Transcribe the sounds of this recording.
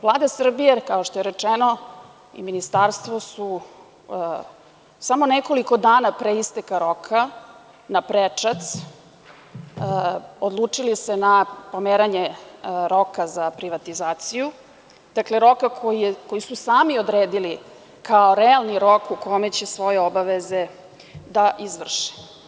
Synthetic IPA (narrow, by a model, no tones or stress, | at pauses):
ʋlˠaːd̪asr̩bijekaoʃt̪ojeɾet͡ʂeno̞ | ḭminist̪aɾst̪ʋosu | samo̞neko̞liko̞d̪aːnapɾeist̪ekaɾo̞kʰa | napɾet͡ʂat̪s | od̪lˠuːt͡ʂilisenapomeːɾaɲeɾo̞kazapɾiʋat̪izaːt̪siju | d̪̥akle̞ɾo̞kakʰoiko̞jisusaːmiod̪ɾeːd̪ili | kʰaoɾealˠniɾo̞kukomet͡ɕe̞sʋo̞jeobaʋeze̞ | d̪aʔizʋr̩ʃi̥